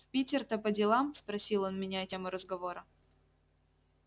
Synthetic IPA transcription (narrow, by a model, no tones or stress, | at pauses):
fʲpʲitʲɪrt̪əpədʲɪlˠamspɾɐsʲilˠo̞nmʲɪnʲaɛtʲɪmʊɾəzɡɐvoɾə